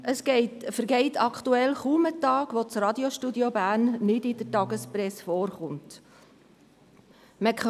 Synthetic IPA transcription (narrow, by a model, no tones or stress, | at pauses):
ʔəsɡ̥ɛɪtfəɾɡɛɪtʰɑkχtuɛlχuːmətɑːɡ̥ʋot͡sɾɑd̪joʃtudiobæːɾnːɪdɪd̥əɾtɑɡəspɾɛsfoːɾχʊnt | mɛk